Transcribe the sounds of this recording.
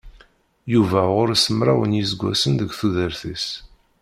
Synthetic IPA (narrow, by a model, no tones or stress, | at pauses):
juvæʁʊɾsəmɾˤa̰wənjizɡʷːæ̰sənðəɡʷθuðəɾθis